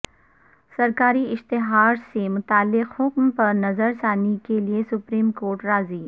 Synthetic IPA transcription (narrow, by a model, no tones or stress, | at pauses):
sɐɾkaːɾiɪʃt̪ɪɦaːɾsemʊt̪aːlːɪqhʊkmpɐɾnɐzəɾsaːnekeliesʊpɾiːmkoːɾʈɾaːziː